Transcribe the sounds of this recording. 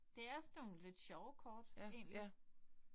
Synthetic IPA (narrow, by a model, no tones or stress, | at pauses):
d̥e̝æsn̥oːn̩le̝d̥ɕɒʊkʰɒːd̥e̝̰ːnlli